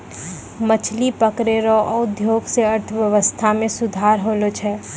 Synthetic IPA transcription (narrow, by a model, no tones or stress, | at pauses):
mət͡ʃʰlipəkɾeɾɔʔɔːʊd̪ʱjoːɡseɐɾt̪ʰʋjɐʋəst̪ʰamẽsʊd̪ʱaːɾɦoːlot͡ʃʰɛː